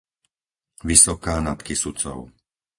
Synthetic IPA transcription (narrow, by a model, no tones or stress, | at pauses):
ʋisɔkaːnat̪kisut͡sɔ̰ʊ